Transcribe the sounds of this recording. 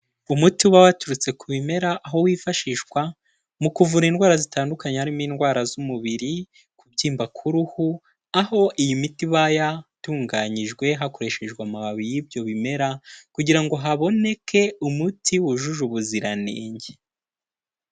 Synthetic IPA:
umutiuβawatuɾut͡se̞kuβime̞ɾaʔːɦo̞wiːfaʃiʃwa | mukuvuɾiːnɡwaːɾazitaːndukaɲehaɾimiːnɡwaːɾazumuβiɾi | kubɟiːmbakʰuɾuhu | aho̞ʔijimitiβajatuːŋɡaɲiʒɡwe̞ɦako̞ɾe̞ʃe̞ʒɡwamaβaβijibjo̞βime̞ɾakuɟiɾaŋɡo̞ɦaβo̞ne̞kʰe̞umutʰiwuʒuʒuβuziɾanḛːɲɟe

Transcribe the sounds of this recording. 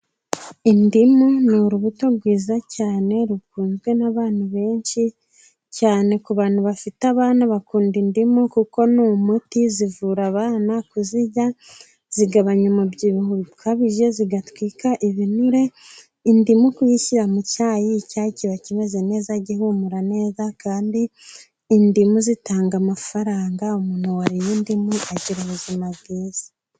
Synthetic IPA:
indimonuɾuβuto̞ɾɡwiːzacaːne̞ɾukuːnzɡwe̞naβaːn̥huβe̞ːnʃi | caːne̞kuβaːn̥huβafitaβaːnaβakuːndindimokuko̞numutizivuɾaβaːnakuziɟa | z̥iɡaβaɲamubɟiβihoβikʰaβiʒe̞ziɡatwiːkaʔiβinuɾe̞ | indimukujiciɾamucaːjiːcaːciβaciβazene̞ːzaɟihumuɾane̞ːzakaːndiː | ndimuzitaːŋɡamafaɾaːŋɡaumuːn̥huwaɾijindimuaɟiɾuβuzimaβɡiːz̥ḁ

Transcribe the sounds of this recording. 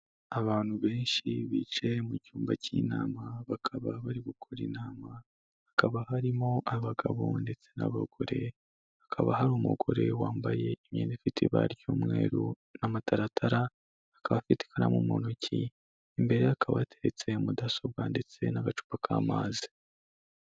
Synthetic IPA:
aβaːnhuβe̞ːnʃiβiːt͡ʃe̞mucuːmbaciːnaːmaβakʰaβaβaɾiɡukʰoɾḭnaːma | akaβahaɾimo̞ʔaβaɡaβo̞̰nde̞t͡se̞na̰βa̰ɡ̥o̞ɾe̞ | akʰaβa̰haɾuːmṵɡo̞ɾe̞waːmbaje̞imjḛːnifitʰiβa̰ɾjoːmŋe̞ːɾu | namatʰaɾatʰaɾaː | kaβafiti̥kʰana̰mumonocʰi | imbe̞ɾe̞akʰaβa̰tʰe̞ɾet͡se̞mudasobɡande̞t͡se̞naɡat͡ʃu̥pakʰaːmaːzi̥

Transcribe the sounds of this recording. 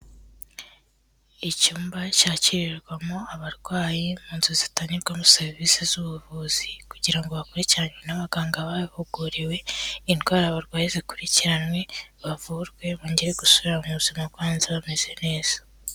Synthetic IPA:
icuːmbacaːciɾiɾɡwamo̞aβaɾɡwaːjemuːnzuzitaːɲiɾɡwamuseɾvisizuβuvuz̥ikuɟiɾaŋɡo̞βakuɾiciɾanwenaβaɡaːŋɡaβaβuɡuɾiwe̞inɡwaːɾaβaɾɡwaːjezikuɾiciɾanwe̞βavuɾɡwe̞βoːɲɟe̞ɾe̞ɡusuβiɾamuβuzimabɡwaːnziβame̞z̥e̞ne̞ːz̥ḁ

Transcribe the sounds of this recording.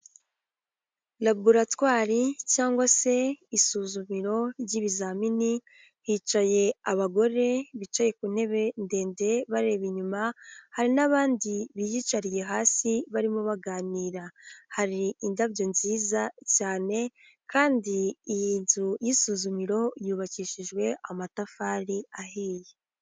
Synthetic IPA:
labuɾatwaːɾicaːŋɡwase̞isuːzumiɾo̞ɾɟiβizamini | hiːt͡ʃaje̞aβaɡo̞ɾe̞βit͡ʃaje̞kune̞βe̞nde̞ːnde̞βaɾe̞ːβiɲumahaɾinaβaːndiβijit͡ʃaɾije̞ɦaːsiβaɾimoβaɡaːniːɾahaɾiindaβɟo̞nziːzacaːne̞ | kʰaːndiijiːnzujisuːzumiɾo̞juːβaciːʃiʒɡwe̞amatafaːɾiaɦiːje

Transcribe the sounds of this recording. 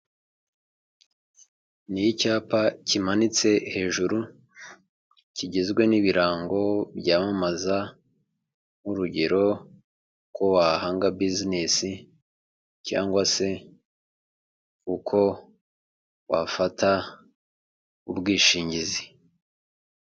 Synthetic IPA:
nijicaːpacimanit͡se̞he̞ːʒuɾu | ciɟezɡwe̞niβiɾaːŋɡo̞bɟaːmamaza | nuɾuɟe̞ɾo̞ | ko̞wahaːŋɡabizinesi | ca̰ːŋɡwase̞ | ukʰo̞ | wa̰fatʰa | ubɡiːʃiːɲɟizi

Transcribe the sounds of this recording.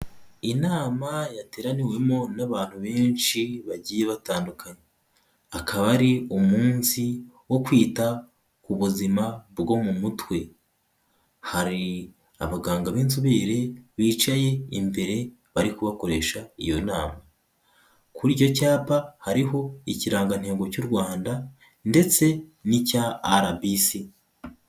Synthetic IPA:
inaːmajate̞ːɾaniwe̞mo̞naβaːn̥huβe̞ːnʃiβaɟiːje̞βataːndukʰaɲe | akʰaβaɾiumuːnsi | wo̞kwiːta | kuβuzimabɡo̞mumutwe̞ | haɾi | a̰βaɡaːŋɡaβiːnzuβeːɾe̞βiːt͡ʃaje̞imbe̞ɾe̞ | βaɾikuβako̞ɾe̞ʃaḭjo̞naːma | kuɾiɟo̞caːpahaɾiɦo̞iciɾaːŋɡan̥he̞ːŋɡo̞cuɾɡwaːnda | nde̞t͡se̞nicaːɾabisi

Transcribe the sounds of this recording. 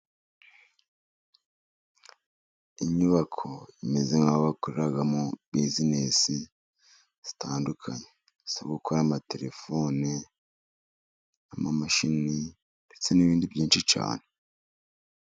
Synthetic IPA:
iɲuβakʰo̞ime̞zeŋaβakuɾiɾaɡamubizinesi | z̥i̥taːndukʰaɲe | i̥saβaɡukʰoɾamate̞ɾe̞fo̞ne | amamaʃini | ndet͡se̞niβiːndibɟiːnʃit͡ʃa̰ːne

